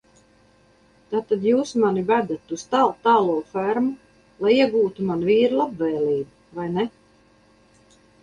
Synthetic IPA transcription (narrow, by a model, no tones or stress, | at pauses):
t̪aːt̪ad̪juːsmanibæd̪at̪ust̪alˠt̪aːlˠuɔfæɾmu | lˠajiɛɡuːt̪umanviːɾulˠabvɛjlʲiːbuvajnɛ